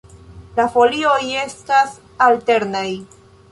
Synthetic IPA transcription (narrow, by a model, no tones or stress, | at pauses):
lafo̞lio̞je̞stas | alte̞ɾnaj